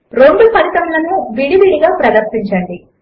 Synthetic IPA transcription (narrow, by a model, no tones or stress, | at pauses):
ɾoːɳɖupɐɾit̪ɐmlɐnuʋiɽiʋiɽiɡaːpɾɐd̪ɐɾsiɲt͡ʃɐːɳɖi